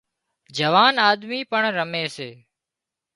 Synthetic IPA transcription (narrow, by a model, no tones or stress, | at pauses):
d͡ʒəʋaːnaːd̪miːpəɳɾəmeːseː